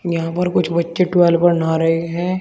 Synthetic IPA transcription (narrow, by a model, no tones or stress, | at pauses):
jɐɦãpɐɾkʊt͡ʃʰbɐtːʃeʈʊɛːlpɐnaːɾɐɦeɦɛ̃ː